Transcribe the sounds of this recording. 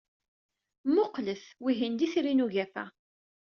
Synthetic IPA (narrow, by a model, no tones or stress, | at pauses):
mʊqləθwiɦind̪iθɾinuʝæθæ̰